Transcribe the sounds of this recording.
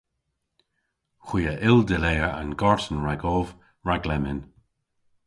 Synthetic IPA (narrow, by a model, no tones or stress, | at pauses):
xwiːəʔɪldɪleːəɹa̰nɡɔɹtənɹaɡɔːv | ɹaɡlɛmɪn